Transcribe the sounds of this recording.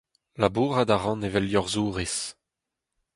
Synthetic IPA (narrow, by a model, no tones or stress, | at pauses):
labuːʁad̪aʁɑ̃nevɛljɔʁzuːʁis